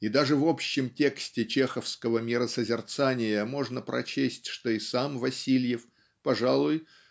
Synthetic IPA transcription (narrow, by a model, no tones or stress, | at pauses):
id̪aʐɨvo̞pɕːɪmtʲe̞ksʲtʲɪt͡ɕexəfskəvəmʲɪɾəsəzʲɪrt̪sanʲɪjəmo̞ʐnəpɾʔɐ̰t͡ɕesʲtʲʂt̪oisamvɐsʲilʲjɪf | pɐʐalˠʊj